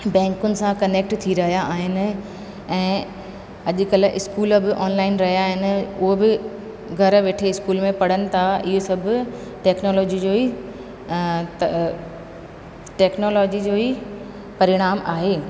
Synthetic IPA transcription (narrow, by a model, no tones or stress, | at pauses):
bɛ̃ːŋkʊnɪ̆sãkɐneːk̚ʈt̪ʰiɾɐɦijaːɦɪnɪ̆ | ɛ̃ː | ɐʄʊ̆kɐlʔɪskuːlbɪʔɔːnlaːɪnɾɐɦijaɦɪnɪ̆ʊɦobɪ | ɡʱɐɾʋeːʈʰeɪskuːlmẽpɐɽ̤ənɪ̆t̪ʰaɪɦosɐb̆ʱʈeːknoːlɔːd͡ʑid͡ʑoːi | t̪ | ʈɛːknoːlɔːd͡ʑid͡ʑoːi | pɐɾɪɽ̃aːmaːɦeː